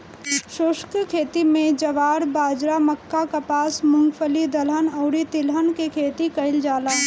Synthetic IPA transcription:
ʃoʃkkʰeːt̪imẽd͡ʒəʋaːɾbaːd͡ʒɾaməkːakapaːsmʊ̃ŋɡpʰəlid̪ɐlɦənɔːɾit̪ɪlɦənkekʰeːt̪ikɐɪld͡ʒaːlaː

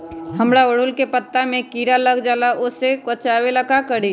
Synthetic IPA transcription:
həmɽaʊɽ̤ʊlkepət̪ːamẽkiːɾaləɡd͡ʒaːlaʔʊsekət͡ʃaːwelakakəɽi

